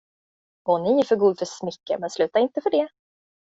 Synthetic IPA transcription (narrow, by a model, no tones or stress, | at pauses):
ɔnɪɪfœɾɡuːd̪fœʂmʏkːə̰mɛnslʉ̟ːt̪aɾɪnt̪əfœɖɛ